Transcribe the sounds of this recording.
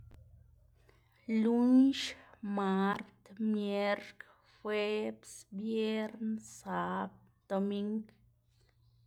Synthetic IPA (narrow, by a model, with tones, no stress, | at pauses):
lu˦ɲʃma˦ɾt̪mje˦ɾk | fwe˦bsbje˦ɾnsa˦b̚ | d̪̥o˧mi˦ŋk